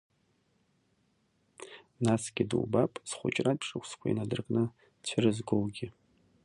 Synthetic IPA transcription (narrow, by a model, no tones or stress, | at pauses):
nasɡ̥ʲɪdṵwbapʼsχʷʊ̰t͡ʃʼradʰʂʼɨkʷʰʼskʷʰainadɨrkʼnɨ | t͡ɕʷʰɨrɨzɡowɡʲɪ